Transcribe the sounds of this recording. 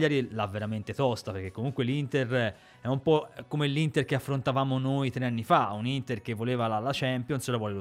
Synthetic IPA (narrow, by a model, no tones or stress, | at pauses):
ʎːaɾilavːeɾament̪et̪ɔst̪aperk̟ekːomuŋkwelint̪er | ɛumpɔkːomelːint̪erkeafːɾont̪avaːmonojt̪ɾeanːifaunint̪erk̟evːoleːvalalat͡ʃɛmpjonsolavɔːlelo